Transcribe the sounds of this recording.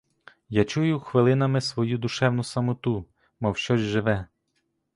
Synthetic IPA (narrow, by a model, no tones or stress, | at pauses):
jat͡ʃujʊxʋɪlˠɪnɐmɪsʋɔjud̪ʊʃɛwnʊsɐmʊt̪u | mɐwʃt͡ʃɔzʲʒɪʋɛ